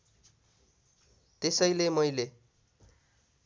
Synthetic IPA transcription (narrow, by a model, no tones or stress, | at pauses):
t̪esʌjlemʌjle